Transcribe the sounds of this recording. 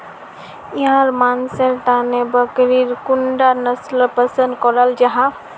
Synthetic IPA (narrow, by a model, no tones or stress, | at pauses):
iɦãɾmansəɾʈ̪anebəkɾiɾkuɳɖanəslpəsənd̪̚kɔɾəld͡ʒaɦã